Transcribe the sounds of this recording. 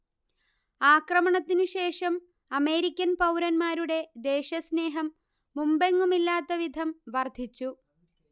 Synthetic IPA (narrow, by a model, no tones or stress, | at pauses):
aːkrɐmɐɳɐt̪ːinɨɕe̞ːʂɐm | ɐme̞ːɾikʲːɐnpɐwɾɐnmaːɾuɽe̞d̪e̞ːɕɐsne̞ːɦɐmː | umbeŋːumilːaːt̪ːɐʋid̪ʱɐmʋɐrd̪ʱit͡ɕːu